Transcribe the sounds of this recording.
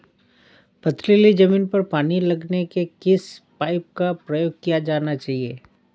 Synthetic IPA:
pɐt̪ʰlilid͡ʒɐmĩːnpɐɾpaːnilɐɡnekekɪspaːɪp̚kapɾɐjoːɡ̚kijad͡ʒaːnat͡ʃaːɦieː

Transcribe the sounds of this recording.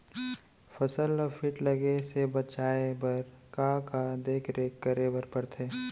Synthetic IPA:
fʰɐsələfʰɪʈlɐɡesebɐt͡ʃaːebɐɾkãːkad̪eːkʰɾeːkːəɾeːʋəɾpɐɽt̪ʰeː

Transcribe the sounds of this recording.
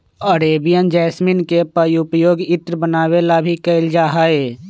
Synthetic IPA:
əɾeːbijənd͡ʒɛːsminkepəjʊpjoːɡɪt̪ɾəbənaːwelabʱikəɪld͡ʒaːɦaeː

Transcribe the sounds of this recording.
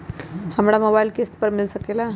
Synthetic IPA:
həmɾaməbailkest̪pəɾmɪlsəkela

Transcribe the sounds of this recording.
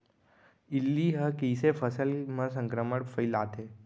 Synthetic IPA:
ilːiɦəkiːsefʰəsəlmə̃sə̃ŋkɾəməɽfʰəilaːt̪ʰe

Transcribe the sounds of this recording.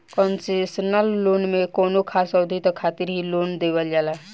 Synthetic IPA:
kɔːnsesnəlːoːnmẽkoːnokʰaːsɔd̪ʱit̪okʰaːt̪ɪɾɦiloːnd̪eːʋəld͡ʒaːlaː

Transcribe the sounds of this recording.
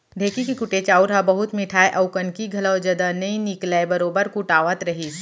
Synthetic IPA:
ɖʱeːkikikʊʈeːt͡ʃaːuɾɦabɐɦʊt̪mɪʈʰaːeʔɐʊkənkiɡʱɐləwd͡ʒɐd̪anɐĩnɪklaebɐɾoːbəɾkʊʈaːʋət̪ɾɐɦiːs

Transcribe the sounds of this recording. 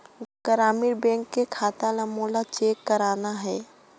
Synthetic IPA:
ɡ̥əɾaːmiɾbɛ̃ːŋkːekʰaːt̪aləmoːlat͡ʃeːkːəɾaːnaɦɛː

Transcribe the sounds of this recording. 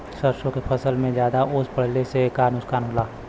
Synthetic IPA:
səɾʃõkepʰəsəlmẽd͡ʒjaːd̪aʔʊspəɽ̤lesekaːnʊskaːnɦoːlaː

